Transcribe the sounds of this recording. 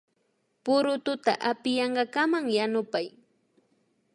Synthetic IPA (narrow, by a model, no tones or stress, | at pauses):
pʊɾʊt̪ʊt̪a̰ʔapɪjɑɴɢɑkamaŋjanʊpaj